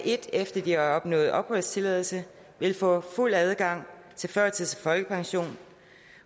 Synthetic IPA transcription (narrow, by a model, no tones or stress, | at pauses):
ʔe̝d̥efd̥ɐd̥iaɒ̽b̥nɔ̰̽ːð̩ˠʔɒ̽b̥ʁœð̰ˠst͡sʰe̝lɛðˠl̩sə | ʋe̝lfɔ̰̽ːful̰æð̞ˠɡ̥ɑ̈ŋ̰ | t͡sʰe̝lfɶɐ̰t͡sʰiðˠsfɒ̽lɡ̥əpʰɑ̈ŋɕo̝̰ːn